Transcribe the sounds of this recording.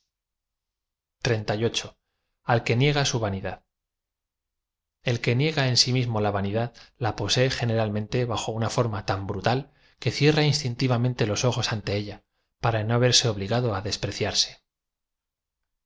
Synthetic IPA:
t̪ɾe̞nt̪ajo̞t͡ʃo̞ | alke̞nje̞ɣ̞asuβaniðað | e̞lke̞nje̞ɣae̞nsimizmo̞laβaniðaðlapo̞se̞ːxe̞ne̞ɾalmẽ̞nt̪e̞βaxo̞unafo̞ɾmat̪ambɾut̪al | ke̞θje̞rainst̪int̪iβamẽnt̪e̞lo̞so̞xo̞sant̪e̞eʎa | paɾanoaβe̞ɾse̞o̞βliɣaðo̞aðe̞spɾe̞θjaɾse̞̥

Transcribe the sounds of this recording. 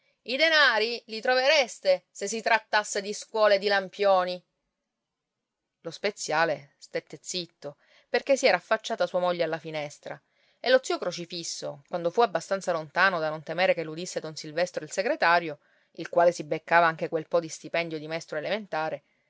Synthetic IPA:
id̪enaːɾilit̪ɾoveɾest̪eses̬ːit̪ɾat̪ːasːed̪iskwɔːled̪ilampjoːni | lospet̪sːjaːlest̪et̪ːet̪sit̪ːo | perkesːiɛːɾaːfːat͡ʃːaːt̪asuamoʎːealːafinɛst̪ɾa̰ | elːot̪siːokɾot͡ʃifisːo̰kwand̪ofuabːast̪ant̪salont̪aːnod̪anont̪emeːɾekelːud̪isːed̪onsilvɛst̪ɾoilseɡɾet̪aːɾjo | ilkwaːlesibekːaːvaaŋk̟ekwelpɔd̪ist̪ipɛnd̪jod̪imɛst̪ɾoelement̪aːɾe

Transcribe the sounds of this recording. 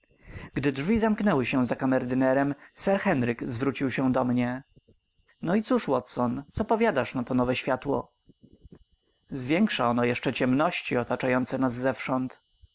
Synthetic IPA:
ɡd̪ɘdʐvʲizamknɛwɘɕɛ̃zakamɛɾd̪ɘnɛɾɛmsɛɾxɛnɾɘɡzvɾut͡ɕiwɕɛd̪ɔmɲɛ | nɔit̪suʂwɔt̪sɔnt̪sɔpɔvʲjad̪aʂnat̪ɔnɔvɛɕfʲjat̪wɔ̰ | zvʲjɛŋkʂaɔnɔjɛʂt͡ʂɛt͡ɕɛmnɔɕt͡ɕiɔt̪at͡ʂajɔnt̪sɛnazːɛfʂɔnt̪

